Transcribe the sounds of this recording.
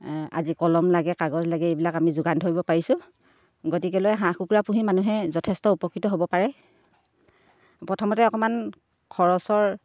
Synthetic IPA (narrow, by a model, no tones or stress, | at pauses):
a̰zikɔlɔmlaɡɛkaɡɔzlaɡɛebilakamizʊɡantʰoɹibɔpaɹisʊ̃ | ɡotik̬ɛlɔjɦãkukuɹapuɦimanuɦɛzɔtʰɛstɔupɔkɹitɔɦobɔpaɹɛ | pɹɔtʰɔmɔtɛɔkɔman | kʰɔɹɔsɔɹ